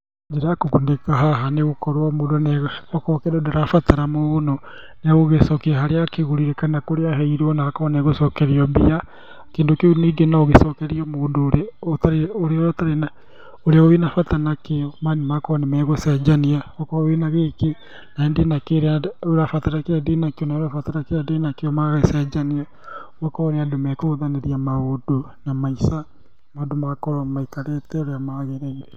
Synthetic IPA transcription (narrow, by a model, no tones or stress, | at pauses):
d͡ʒeɾaakoɣundekaɦaɦaneɣokɔɾwɔmoːdonɛɔkɔkɛɾɔdaɾafataɾamoːɣonɔ | neɣoɣesɔkiaɦaɾeakeɣoɾiɾekanakoɾeaɦɛiɾɔnaːkɔnɛɣosɔkɛɾeɔbia | kendokeniɡenaoɣesɔkɛɾiɔmoːndoɾeotaɾeoɾeotaɾena | oɾeaɣowenafatanakeɔmanimakɔanemɛɣosad͡ʒaniaokɔenaɣeke | naendenakeɾeaɾafataɾakeɾɛdenakeɔnaoɾafataɾakeɾadenakeɔmaɣaesad͡ʒania | wɔkɔɾeadomɛkoɣoðaneɾiamaodo | namaisa | maondomakɔɾamaikaɾetɛoɾeamaɣeɾeːnɡe